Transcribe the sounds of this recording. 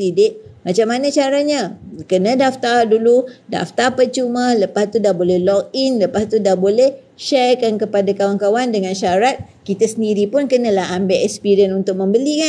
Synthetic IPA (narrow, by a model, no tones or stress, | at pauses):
idɪʔ̚mat͡ʃamːanə̃t͡ʃaɾaɲakənə̃daft̪arduluda̰ft̪apət͡ʃumə̃ləpast̪udabolɛhlɔk̚inləpast̪udabolɛh | ʃɛrkankəpadakawankawandəŋanʃaɾat̪̚ | kit̪əsəndiɾipʊnkənə̃laɦambɛʔɛkspiɾənunt̪ʊk̚mə̃mbəlika